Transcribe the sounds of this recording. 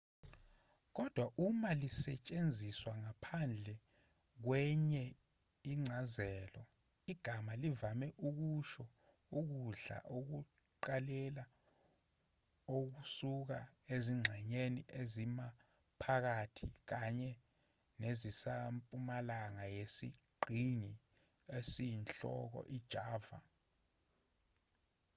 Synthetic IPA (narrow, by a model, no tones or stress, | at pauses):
k̬ɔd̥ʱwaʔumalisɛt͡ʃʼend͡zʱiswaŋapʰand͡ɮʱɛ | k̬wɛɲɛ | iŋ͡ǀʱazɛːlɔ | iɡ̥ʱamalivamɛʔuk̬uʃɔ | uk̬uɮa̰ʔok̬u | ǃalɛla | ok̬usuk̬aeziŋ͡ǀʱɛɲeniʔezima | pʰak̬atʰik̬aɲɛ | nezisampʼumalaŋajesḭɡ͡ǀʱiŋi | esijinɬɔ̰k̬ɔ̰ʔid̥ʒ̥ʱaːva̰